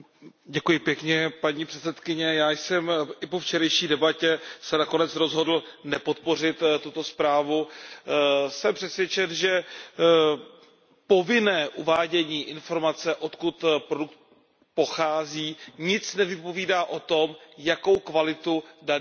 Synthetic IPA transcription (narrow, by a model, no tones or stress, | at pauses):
ɟɛkujɪpjɛkɲɛpaɲiːpr̝̥ɛt̪t͡sɛt̪kɪɲɛjaːjsɛmʔɪpoft͡ʃɛɾɛjʃiːdɛbacɛsɛnakonɛt͡sɾo̞zɦo̞dl̩nɛpo̞t̪̚po̞r̝ɪt̪t̪ːut̪o̞spɾaːvu | sɛmpr̥ɛsvjɛt͡ʃɛnʒɛ | po̞vɪnɛːʔuvaːɟɛɲiːʔɪnfo̞ɾmat͡sɛʔo̞t̪kut̪pɾoduk̚t̪ | po̞xaːziːɲɪt͡snɛvɪpo̞viːdaːʔo̞t̪o̞mjako̞wkvalɪt̪udan